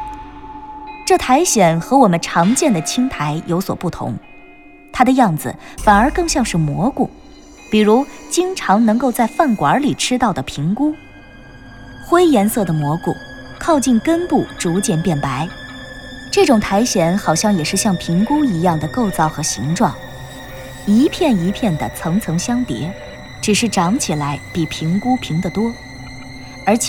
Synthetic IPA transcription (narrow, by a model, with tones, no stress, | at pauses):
ʈ͡ʂɤ˥˩t̪ʰa˧˥ɪɕjɛ˨˩nxɤ˧˥wɔ˨˩mə˦nʈ͡ʂʰɑ˧˥ŋt͡ɕjɛ˥˩nd̪ə˩t͡ɕʰi˥ŋt̪ʰa˧˥ɪjʔo˧˥ʊswɔ̰˨˩pu˥˩t̪ʰʊ̰˧˥ŋ | t̪ʰa˥d̪ə˧jɑ˥˩ŋd͡zɹ̩̰˩fa˨˩nə˞˧˥kɤ˥˧ŋɕjɑ˥˧ŋʂɻ̩˥˩mwɔ˧˥kṵ˨˩˦ | pi˨˩ɻu˧˥t͡ɕi˥ŋʈ͡ʂʰɑ˧˥ŋnɤ˧˥ŋko˥˧ʊt͡sa˥˧ɪfa˥˩nkwa˧˥li˨˩ʈ͡ʂʰɻ̩˥t̪ɑ˥˩ʊd̪ə˩pʰi˧˥ŋku˥ | xwe˥ɪjɛ˧˥nsɤ˥˩d̪ə˩mwɔ˧˥kṵ˨˩kʰɑ˥˧ʊt͡ɕi˥˩nkə˥npu˥˩ʈ͡ʂu˧˥t͡ɕjɛ˥˩npjɛ˥˩npa˧˥ɪ | ʈ͡ʂɤ˥˩ʈ͡ʂʊ˨˩ŋt̪ʰa˧˥ɪɕjɛ˧˥nxɑ˨˩ʊɕjɑ˥˩ŋjɛ˨˩ʂɻ̩˥˧ɕjɑ˥˩ŋpʰi˧˥ŋkʊ˥ŋi˧˥jɑ˥˩ŋd̪ə˩ko˥˩ʊt͡sɑ˥˩ʊxɤ˧˥ɕḭ˧˥ŋʈ͡ʂwɑ˥˩ŋ | i˧˥pʰjɛ˥˩ni˧˥pʰjɛ˥˩nd̪ə̰˩t͡sʰɤ˧˥ŋt͡sʰɤ˧˥ŋɕjɑ˥ŋt̪jɛ̰˧˥ | ʈ͡ʂɻ̩˨˩ʂɻ̩˥˩ʈ͡ʂɑ˧˥ŋt͡ɕʰi˨˩la˧˥ɪpi˨˩pʰi˧˥ŋku˥pʰi˧˥ŋd̪ə˨t̪wɔ˥ | ə˞˧˥t͡ɕʰ